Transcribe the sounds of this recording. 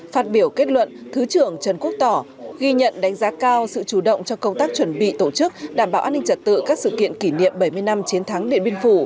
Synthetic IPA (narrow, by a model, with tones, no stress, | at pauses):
faː˦˥t̚ɓi˧˩əwke˦˥t̚lwə̰˧˨nt̪ʰɨ˨˦t͡ɕɨ˧˩əŋt͡ɕə˨˩nku˦˥ək̚t̪ɔ˧˩ | ɣi˧ɲə̰˧˨nɗa˨˦jŋ̟zaː˨˦kaː˧wsɨ̰˧˨t͡ɕu˧˩ɗə̰˧˨wŋ͡mt͡ɕɔ˧kə˧wŋ͡mt̪aː˦˥k̚t͡ɕwə˧˩nɓḭ˧˨t̪o˧˩t͡ɕɨ˦˥k̚ɗaː˧˩mɓaː˧˩ʔːnːï˧ŋt͡ɕə˨˩t̚t̪ɨ̰˧˨kaː˦˥k̚sɨ̰˧˨kḭ˧˨ənki˧˩nḭ˧˨əmɓə˧˩jmɨ˧əjna˧mt͡ɕi˨˦ənt̪ʰa˨˦ŋɗḭ˧˨nɓi˧ənfu˧˩